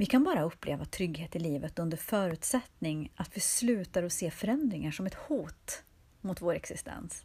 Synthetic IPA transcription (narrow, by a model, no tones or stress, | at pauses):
vɪkʰanbɑːɾaɵpːlḛːvat̪ʰɾʏɡheːt̪ɪliːvət̪ɵnd̪əɾfœːɾʉ̟ːt̪sɛt̪nɪŋʔat̪vɪslʉ̟ːt̪aɾɔseːfœɾɛnd̪ɾɪŋaʂɔmɛt̪huːt̪ | mʊt̪voːɾɛksɪst̪ʰɛ̰ns